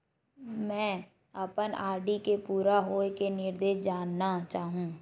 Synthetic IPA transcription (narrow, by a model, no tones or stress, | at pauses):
mɛ̃ː | ɐpənaːɾɖikepuːɾaɦoːkenɪɾd̪eːʃd͡ʒaːnːat͡ʃaːɦũː